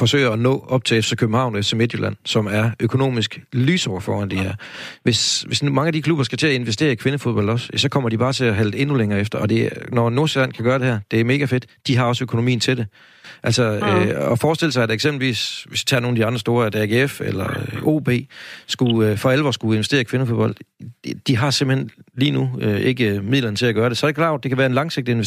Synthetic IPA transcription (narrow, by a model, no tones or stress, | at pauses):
fɒ̽sø̰ɪ̰ɐɒnɔ̰̽ːɒ̽b̥̚t͡sʰe̝efsekʰøb̥m̩hɑ̈ʊ̰neft͡sʰseme̝d̥julæn̰sɒ̽mæɐʔøkʰo̝no̝̰ːmisɡ̥lyːsɒʊɐfɒ̰ːænd̥iæɐʋe̝sʋe̝smɑ̈ŋəæd̥ikʰlub̥ɐsɡ̥æt͡sʰe̝æe̝nʋesd̥e̝̰ːɐikʰʋe̝nəfo̝ð̞ˠbɒ̽l̰d̥ɒ̽sjɛsɒ̽kʰɒ̽m̰ɐd̥ib̥ɑ̈ːt͡sʰe̝æɦæld̥e̝nuleŋɐːefd̥ɐɒ̽d̥e̝ænɒno̝ɐselæn̰kʰæɡ̥ɶːɐɾ̥e̝hæɐd̥e̝æɐme̝ːɡ̥æfe̝d̥ | d̥iɦɑ̈ɒ̽søkʰo̝no̝mḭːn̩t͡sʰe̝d̥e̝ | ʔæl̰sɐøɒfɒːsd̥e̝ləs̬ɑ̈ɪæd̥eɡ̥semb̥l̩ʋḭːsʋe̝sd̥i̥t͡sʰɑ̰̈ːno̝ːn̩ædiɑ̈nd̥ʁɐsd̥o̝ːɐæd̥æɡ̥efḛlɐo̰b̥e̝̰ːsɡ̥uøfɒelʋɒ̰sɡ̥ue̝nʋesd̥e̝̰ːɐikʰʋe̝nəfo̝ðˠb̥ɒ̽l̰d̥d̥iɦɑ̈semb̥̩henliːnuøe̝ɡ̥əmið̰ˠlɐnət͡sʰe̝læɡ̥ɶːɐd̥e̝sɒ̽æɾ̥ɪkʰlɑ̈ʊ̰d̥̚ːekʰæʋæːɐe̝nlɑ̈ŋse̝ɡ̥̚d̥əe̝ne